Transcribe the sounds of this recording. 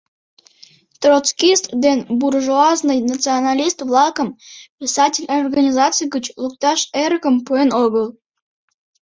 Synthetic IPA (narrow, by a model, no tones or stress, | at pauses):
t̪rot͡skʲist̪d̪enburʒuɑznɨjnat͡sɨonalʲist̪vlˠɑkəmpʲisɑtʲɪlʲorɡanʲizɑt͡sɨjɡət͡ɕlˠuk̚t̪ɑʃerɣəmpuenoɣəlˠ